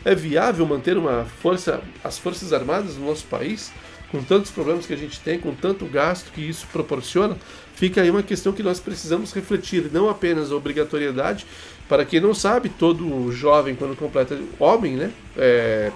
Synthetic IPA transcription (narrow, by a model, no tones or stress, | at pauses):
ɛviavewmɐ̃nt̪eɾũmɐfoɾsɐ̰ɐ̰sfoɾsɐzaɾmad̪ɐznʊnɔsʊ̥pa̰is | kõt̪ɐ̃nt̪ʊ̥spɾoblẽmɐskɪaʒẽnt͡ʃɪ̥t̪ẽj̃kõt̪ɐ̃nt̪ʊɡast̪ʊ̥kɪisʊ̥pɾopoɾsiõnɐ | fikɐaiũmɐkest̪ɐ̃w̃kɪnɔspɾesizɐ̃mʊsheflet͡ʃiɾnɐ̃w̃apẽnɐzɐobɾiɡat̪oɾied̪a̰d͡ʒɪ | paɾɐkẽnɐ̃w̃sabɪt̪od̪ʊʒɔvẽj̃kwɐ̃nd̪ʊkõplɛt̪ɐõmẽj̃nɛ | ɛ